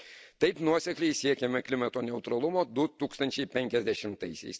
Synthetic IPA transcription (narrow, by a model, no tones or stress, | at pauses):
t̪ɐɪpnuɔsʲɛklʲɛɪsʲiɛkʲɛmʲɛklʲɪmɐt̪oːnʲɛʊt̪ɾɐlˠʊmoːd̪ʊt̪uːkst̪ɐnʲt͡ʃʲɛɪpʲɛŋʲkʲɛzʲd̪ʲɛʃʲɪmt̪ɐɪsʲɛ̰ɪs